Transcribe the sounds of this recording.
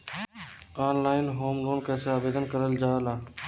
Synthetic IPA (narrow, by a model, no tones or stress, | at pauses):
aːnlaːɪnɦoːmɾoːnkɛːseaːbeːd̪ənkəɾəld͡ʒaːlaː